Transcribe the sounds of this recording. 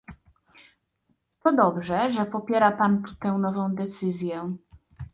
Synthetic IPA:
t̪ɔd̪ɔbʐɛʐɛpɔpʲjɛɾapant̪ut̪ɛ̃nɔvɔ̃w̃d̪ɛt̪sɘzʲjɛ

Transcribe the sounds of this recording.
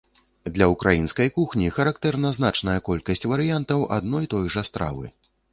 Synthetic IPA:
d̪lʲɐukɾajin̪skɐjkuxnʲixɐɾakt̪ɛrnɐznat͡ʂnɐjɐkɔlʲkɐsʲt͡sʲvɐɾɨjant̪ɐwʔa̰d̪nɔjt̪ɔjʐɐst̪ɾa̰vɨ̰

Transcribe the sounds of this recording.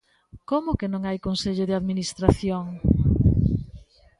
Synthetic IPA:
komʊkenõŋajkonseʎʊðeaðminist̪ɾaθjoŋ

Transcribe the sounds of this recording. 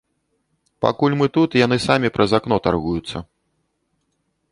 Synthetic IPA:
pa̰kulʲmɨt̪ut̪janɨsamʲipɾʔɐzakn̪ɔt̪arɣujut̪sːɐ̰

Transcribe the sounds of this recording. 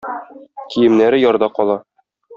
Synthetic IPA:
kʰijɘ̆mnæɾɘjɒɾd̪ɑqɒlˠɑ

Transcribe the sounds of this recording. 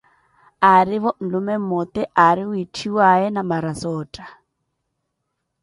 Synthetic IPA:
aɾiβɔn̩lumɛmɔt̪ɛʔaɾiuitʰiwaɛnamaɾasɔːtʼa

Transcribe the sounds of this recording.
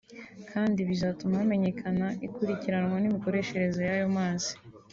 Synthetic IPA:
kʰaːndiβizaːtumame̞ɲe̞kʰanaikuɾiciɾanŋwanimiko̞ɾe̞ʃe̞ɾe̞zo̞jajo̞maːzi̥

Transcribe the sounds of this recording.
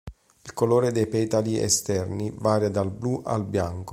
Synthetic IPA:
ilkoloːɾed̪ɛjpɛt̪aliɛ̰st̪ɛrnivaːɾjad̪albluʔa̰lbjaŋko

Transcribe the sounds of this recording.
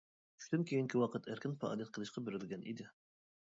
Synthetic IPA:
ʃt̪ʰynkʲʰejiŋkʲiwɑqət̪ʰæɾkʲɪnfɑ̰ɑ̰ːlˠijɛt̪̚qʰəlˠɨʃqʰɑbɪɾɪlɡʲɛnḭd̪ɪ

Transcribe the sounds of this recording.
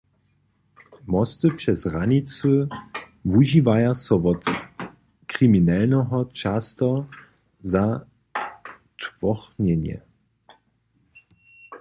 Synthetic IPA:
mɔstəpʂɛsʁanit͡sə | vuʒivajasɔʋɔt | kʁ̥iminɛlnɛɦɔt͡ʃastɔ | za | tvɔχnɛnjɛ̰

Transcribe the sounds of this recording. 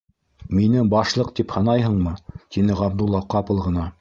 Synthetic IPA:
minɘbɑʃlˠɤqt̪iphɑnɑjɦɤ̆ɴmɤt̪ʰinɘʁɑb̚d̪ulˠːɑqɑpɤ̆lˠʁɤ̆nɑ

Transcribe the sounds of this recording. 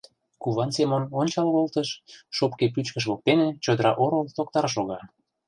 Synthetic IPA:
kuβɑnsemənonʲt͡ɕɑlβolt̪əʃːopkep̬yt͡ɕkəʃ̬βok̚t̪enet͡ɕod̪əɾɑʔoɾolt̪ok̚t̪ɑɾʃ̬oɣɑ

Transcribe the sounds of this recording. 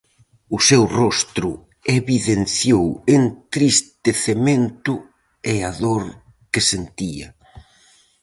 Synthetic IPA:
ʊsewrɔst̪ɾʊ | eβiðenθjowent̪ɾist̪eθement̪ʊ | eaðoɾ | kesent̪iɐ̰

